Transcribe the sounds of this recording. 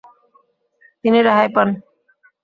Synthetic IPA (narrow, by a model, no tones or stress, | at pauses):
t̪iniɾaɦajpan